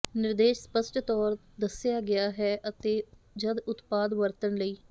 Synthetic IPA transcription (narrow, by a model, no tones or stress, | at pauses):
nɪɾd̪eːʃspəsʈt̪ɔːɾ | d̪əsɪjaːɡɪaːɦɛːʔət̪eː | d͡ʒəd̪ʊt̪paːd̪ʋəɾt̪əɳləiː